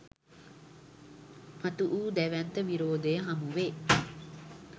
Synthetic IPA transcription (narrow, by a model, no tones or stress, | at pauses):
mat̪uʔuːd̪æʋænt̪əʋiɾoːd̪əjəɦamuʋeː